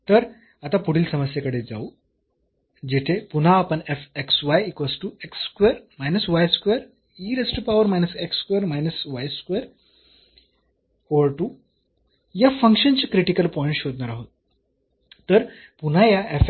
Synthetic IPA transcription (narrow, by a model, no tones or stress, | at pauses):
t̪əɾ | at̪apuɽ̤iːlsəməsjakəɽed͡za̰u | d͡ʑet̪ʰepun̤aːpəɳefeksʋajikʋəsʈueksːkʋeɾmajnəsʋajskʋeɾ | iɾesʈəpaʋəɾmajnəsekskʋeɾmajnəsʋajskʋeɾ | ɔɾʈu | jafəŋkʂənt͡ɕikɾiʈikəlpɔĩɳʈɕod̪naɾaɦot̪ | t̪əɾ | pun̤ajaef